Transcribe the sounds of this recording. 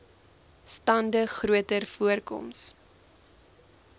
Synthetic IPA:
stɐndəχruətərfuərkɔ̰ms

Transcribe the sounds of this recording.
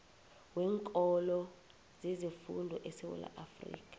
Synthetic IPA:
wɛːŋkʼɔlɔ | zezifundʱɔʔɛsɛwɛ̰la̰ʔafrḭːk̬ʰʼḁ

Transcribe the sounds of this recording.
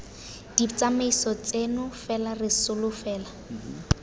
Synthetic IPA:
d̥it͡sameisɔt͡senʊfɛlarɪsʊlʊfɛːla

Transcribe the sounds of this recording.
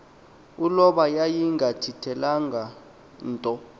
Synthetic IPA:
ulɔɓajajiŋɡʱatʰitʰɛlaŋɡʱa | ntʼɔ

